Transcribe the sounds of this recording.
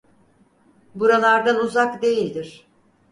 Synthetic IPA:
buɾalˠaɾd̪anuzakd̪e̞jilʲd̪iɾ̥

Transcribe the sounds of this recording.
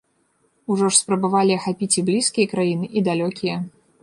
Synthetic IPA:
uʐɔʂspɾɐbavalʲiɐxapʲit͡sʲiblʲiskʲijɐkɾajinɨʔid̪alʲɔkʲijɐ

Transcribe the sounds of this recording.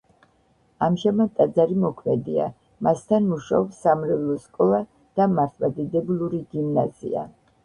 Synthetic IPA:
amʒamad̪̚t̪ʼːad̪zaɾimɔkʰmɛd̪ia̰ | mast̪ʰanmuʃaɔbsːamɾɛvlˠɔskʼɔlˠa | d̪̥amaɾt̪ʰvad̪id̪ɛbulˠuɾiɡimnaz̥ḭa̰

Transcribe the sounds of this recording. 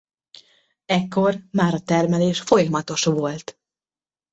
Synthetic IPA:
ɛkːo̞rmaːɾɒt̪ɛrmɛleːʃfo̞jɒmɒt̪o̞ʃvo̞lt̪

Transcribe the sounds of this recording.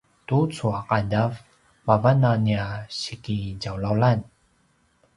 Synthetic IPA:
tut͡suaqadav | mavananiaɕikiɟawlalan

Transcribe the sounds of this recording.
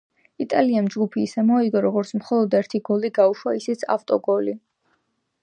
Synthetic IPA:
it̪ʼaliamd͡ʒɡupʰiːsɛmɔiɡɔɾɔɡɔɾt̪sʰmχɔlˠɔd̪ɛɾt̪ʰiɡɔliɡauʃwaisit̪sʰa̰ft̪ʼɔɡɔli

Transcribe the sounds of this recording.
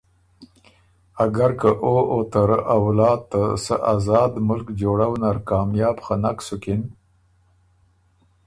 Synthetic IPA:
aɡaɾkəʔoʔot̪əɾawlɑːd̪̚t̪ːasə̰ʔazɑːd̪mʊlkd͡ʒoɽawnaɾkɑːmjɑːbxanaksʊkɪn

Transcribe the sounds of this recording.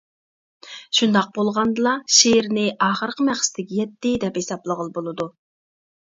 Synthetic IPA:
ʃund̪ɑq̚bolˠʁɑnd̪ɨlˠɑʃeɾnɪʔɑːχəɾqʰəmæχsɪ̥t̪ɪkʲijɛt̪ːɪd̪ɛphesɑplˠəʁəlˠbolˠɨd̪u

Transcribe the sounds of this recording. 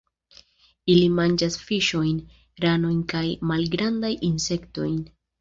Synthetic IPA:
ilimand͡ʒasfiʃo̞jn | ɾano̞jnkajmalɡɾandajinse̞kto̞jn

